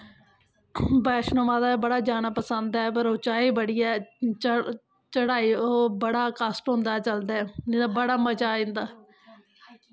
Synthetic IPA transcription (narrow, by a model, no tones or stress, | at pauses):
bɛːʃnomaːd̪aːbəɽaːd͡ʒaːnaːpəsənd̪ɛːpəɾoːt͡ʃaːiːbəɽiːɛː | t͡ʃəɽaːiːoːbəɽaːkasʈɦʊ̃nd̪aːt͡ʃəld̪ɛːɪd̪aːbəɽaːmət͡ʃaːĩnd̪aː